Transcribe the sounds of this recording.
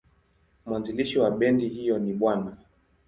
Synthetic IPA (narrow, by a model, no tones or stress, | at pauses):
mwanziliʃiwaɓɛndihijɔniɓwana